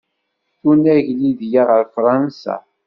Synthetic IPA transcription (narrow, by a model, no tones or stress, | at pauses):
θunæʝliðjaʁəɾfɾˤɑnsa̰